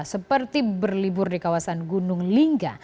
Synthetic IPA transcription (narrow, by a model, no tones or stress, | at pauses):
səpərt̪ibərlibʊrdikawasanɡunʊŋliŋɡa̰